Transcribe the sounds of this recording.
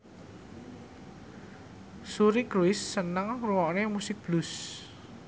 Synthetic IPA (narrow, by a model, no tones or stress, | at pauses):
suɾikɾwɪsːənəŋruwɔnemusɪk̚b̥lus